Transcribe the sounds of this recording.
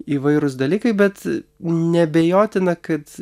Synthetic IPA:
iːʋɐɪɾʊsd̪ɐlʲiːkɐɪbʲɛt̪nʲɛbʲeːjoːt̪ʲɪnɐkɐt̪

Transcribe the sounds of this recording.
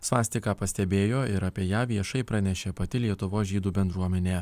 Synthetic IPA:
sʋɑːsʲt̪ʲɪkɑːpɐsʲt̪ʲɛbʲeːjoːɪɾɐːpʲiɛjæːʋʲiɛʃɐɪpɾɐnʲɛʃʲeːpɐt̪ʲɪlʲiɛt̪ʊʋoːsʒʲiːd̪uːbʲɛnd̪ɾuɔmʲɛnʲeː

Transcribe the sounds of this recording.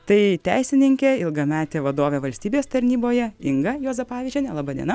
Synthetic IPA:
t̪ɐɪt̪ʲɛɪsʲɪnʲɪŋʲkʲeːɪlˠɡɐmʲæːt̪ʲeːʋɐd̪oːʋʲeʋɐlʲsʲt̪ʲiːbʲeːst̪ɐɾʲnʲiːboːjɛɪŋɡɐjoːzɐpɑːʋʲiʒʲd͡ʒʲɛnʲɛlˠɑːbɐd̪ʲḭɛ̰nɐ

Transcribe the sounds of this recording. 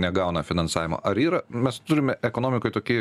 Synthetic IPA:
nʲɛɡɐʊnɐfʲɪnɐnsɑːʋʲɪmo̰ːʔɐɾiːɾɐmʲɛst̪ʊɾʲɪmʲɛʔɛkoːnoːmʲɪkoɪt̪oːkʲiɛ

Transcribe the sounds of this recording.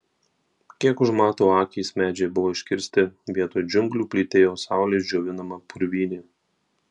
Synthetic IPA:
kʲiɛkʊʃmɑːt̪oːɑːkʲɛɪsmʲæːd͡ʒʲɛɪbʊʋoːɪʃʲkʲɪɾʲsʲt̪ʲɪʋʲiɛt̪oːjd͡ʒʲʊŋɡlʲuːpʲlʲiːt̪ʲeːjoːsɑˑʊlʲeːsd͡ʒʲoːʋʲɪnɐmɐpʊɾʲʋʲiːnʲeː

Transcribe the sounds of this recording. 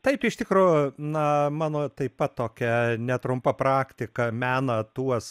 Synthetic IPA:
t̪ɐɪpɪʃt̪ʲɪkɾuːjʊnɐmɑːnoːt̪ɐɪpɐt̪toːkʲɛnʲɛt̪ɾʊmpɐpɾɑːkt̪ʲɪkɐmʲæːnɐt̪uɔs

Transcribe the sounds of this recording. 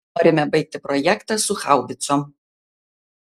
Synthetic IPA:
oːɾʲɪmʲɛbɐɪk̚t̪ʲɪpɾɔjækt̪ɑsʊxɑˑʊʋʲɪt̪sɔm

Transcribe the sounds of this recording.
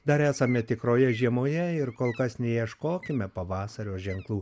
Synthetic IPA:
d̪ɐɾæːsɐmʲɛt̪ʲɪkɾoːjɛʒʲiɛmoːjɛɪɾkoːlˠkɐsnʲɛjiɛʃkoːkʲɪmʲɛpɐʋɑːsɐɾʲoːʒʲɛŋklˠuː

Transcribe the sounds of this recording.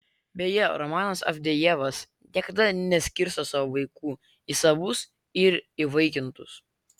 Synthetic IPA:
bʲejɛɾɔmɑːnɐsɐ̰fʲd̪ʲɛjɛʋɐs | nʲiɛkɐd̪ɐnʲɛsʲkʲɪɾst̪osɑːʋoʋɐɪkuː | isɐʋʊs | ɪɾiʋɐɪkʲɪnt̪ʊs

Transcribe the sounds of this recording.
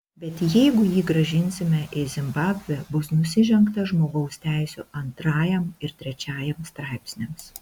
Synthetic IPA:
bʲɛt̪jɛɪɡʊjiːɡɾɐʒʲɪnʲsʲɪmʲɛʔɪzʲɪmbɑːbʲʋʲɛbʊsnʊsʲɪʒʲɛŋkt̪ɐʒmoːɡɐʊsʲt̪ʲæˑɪsʲʊɐnt̪ɾɑːjɛmɪɾt̪ʲɾʲɛt͡ʃʲɑːjɛmst̪ɾɑɪpʲsʲnʲɛms

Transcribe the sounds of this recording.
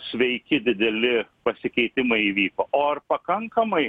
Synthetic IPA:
sʲʋʲɛɪkʲɪd̪ʲɪd̪ʲɛlʲɪpɐsʲɪkʲɛɪt̪ʲɪmɐɪiʋʲiːkɐʔoɐɾpɐkɐŋkɐmɐɪ

